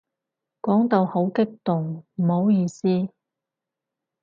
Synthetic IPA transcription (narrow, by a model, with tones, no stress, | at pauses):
kɔː˨˥ŋt̪o˨who˨˥wkɪ˥k̚t̪ʊ˨ŋm̩˨˩ho˨˥wjiː˧siː˥